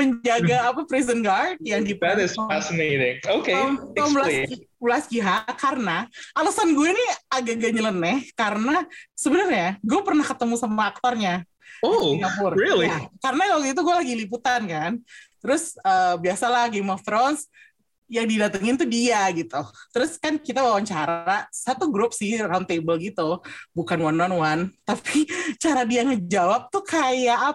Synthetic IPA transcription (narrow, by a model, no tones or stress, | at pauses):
məɲd͡ʒaɡaːpapɾizənɡard̚jaŋdipatɪsasmedɪŋokeambəlaibəlasɡiɦakarənaʔalasanɡuɛniaɡaɡaɲələnɛhkaɾənasəbənərɲaɡuapərnahkət̪əmusamaːk̚t̪ɔrɲa | okapʊrilikaɾənakalɡit̪̬uɡuɛlaɡilip̬ut̪ankant̪əɾʊsəbiasalahɡemɔft̪ɾɔns | jaŋdidat̪aŋɪnt̪udiaɡit̪ut̪əɾʊskankit̪abawaɲt͡ʃaɾasat̪uɡɾʊp̚sɪhrawnt̪ebəlɡit̪ubukanwanːɔnwant̪apʰit͡ʃaɾadiaŋəd͡ʒawap̚t̪ukʰajaʔ